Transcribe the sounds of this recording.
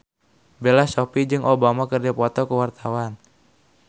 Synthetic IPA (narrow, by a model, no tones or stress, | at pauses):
belasopid͡ʒɨŋʔobamakərd͡ʒapɔt̪ɔkəwart̪awan